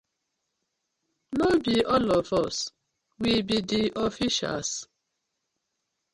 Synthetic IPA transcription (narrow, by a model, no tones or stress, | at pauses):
nobiʔɔlɔfɔs | wibidiʔɔfiʃa̰ls